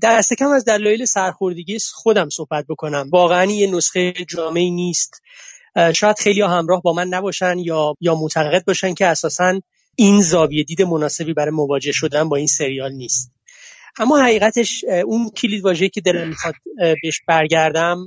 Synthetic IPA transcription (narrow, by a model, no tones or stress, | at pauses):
d̪̥æst̪e̞cʰæmæzd̪ælɒːjelesæɾxo̞ɾd̪eɟiesxo̞d̪æmso̞hbæt̪̚bo̞kʰo̞næmvɒːɣeænijenosχejd͡ʒɒːme̞iːniːst̪ | ʃɒːjæd̪̥xe̞jlijɒːɦæmɾɒːhbɒːmænːæbɒːʃænjɒːjɒːmot̪ʰæɣɣe̞d̪̚bɒːʃæncʰeæsɒːsæn | inzɒːvije̞d̪iːd̪e̞monɒːse̞biːbæɾɒːjemovɒːd͡ʒe̞hʃo̞d̪ænbɒːiːnse̞ɾijɒːlniːst̪̚ | ʔæmːɒːhæɣiːɣæt̪ʰe̞ʃuncʰilid̪vɒːʒeiːcʰe̞d̪elæmːixɒːd̪̥̚beeʃb̥æɾɟæɾd̪æm